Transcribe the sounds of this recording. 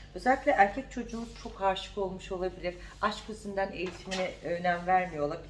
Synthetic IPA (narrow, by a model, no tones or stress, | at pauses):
øzɛlʲːik̪ʲlʲɛʔæɾcʰɛc̚t͡ʃʰo̞d͡ʒuːmut͡ʃʰo̞khaɾʃɯ̥ko̞lˠmuʃo̞lˠabilʲiɾ | aʃkʰɯzɯnd̪ane̞jit̪ʰiminɛønænvæɾmijo̞lˠaɾ